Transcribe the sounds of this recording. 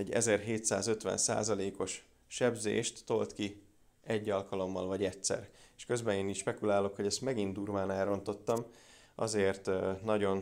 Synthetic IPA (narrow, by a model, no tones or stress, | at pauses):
ɛɟːɛ̰zɛrɦeːt̪sa̰ːzø̞t̪ʋɛ̰nsa̰ːzɒleːko̞ʃ | ʃɛbzḛːʃt̪ːo̞lt̪ki | ɛɟːɒlkɒlo̞mːɒlvɒɟɛtsɛ̰reʃkø̞zbɛneːniʃpɛkulaːlo̞kho̞ɟɛst̪mɛɡind̪uːrmaːnɛːɾo̞nt̪o̞t̪ːɒm | ʔɒ̰zeːrt̪nɒɟo̞n